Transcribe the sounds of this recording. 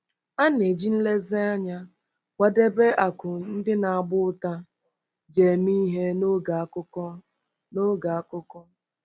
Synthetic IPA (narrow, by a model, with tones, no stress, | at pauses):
a˦n˨e˨d͡ʒi˦n̩˦le˦zɪ˦a˦ɲa˦ | wa˦de˦be˦ʔa˨kʊ˨n̩˦dɪ˦na˨a˨ɡ͡bʊ˦ta˦ | d͡ʒe˨mi˦ɦe˦no˦ɡa˨˦kʊ˦ɔ˦ | no˦ɡa˨a˦kʊ˦kɔ˦